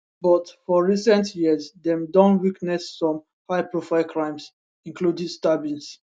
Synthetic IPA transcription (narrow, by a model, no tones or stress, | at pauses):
bɔtfɔɹisɛ̃ntʰjizdɛ̃mdɔ̃ntwiknɛsːɔ̃m | haɪpɹofaɪlkʰɹãɪ̃ms | ĩŋkludĩstabĩns